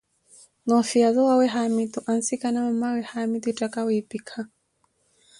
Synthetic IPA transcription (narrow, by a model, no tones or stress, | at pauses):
nɔfiaðɔwawɛɦamit̪uʔansikanamamawɛhamit̪utakawiipikʰa